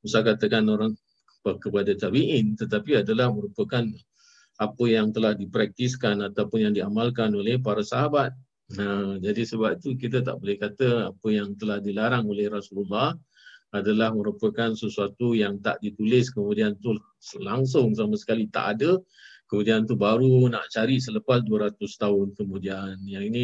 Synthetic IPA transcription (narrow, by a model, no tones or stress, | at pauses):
usakat̪əkanoɾaŋ | pəkəpadat̪abiʔɪnt̪ət̪apiadalahməɾupəkan | apəjaŋt̪əlahdipɾak̚t̪iskanat̪awpʊnjaŋdiamalkanolɛhpaɾasaɦabat̪̚ | ad͡ʒadisəbap̚it̪ukit̪ət̪̬a̰ʔbolɛhkat̪əapəjaŋt̪əlahdilaɾaŋolɛhrasululːɑh | adalahməɾupəkansəsuat̪ujaŋt̪a̰ʔdit̪ulɪskəmudiant̪u | laŋs̬ʊŋs̬amasə̥kalit̪a̰ʔadə | kəmũdiant̪ubaɾuna̰ʔt͡ʃaɾisələpasduəɾat̪ʊst̪aɦʊnkəmũdianjaŋinĩ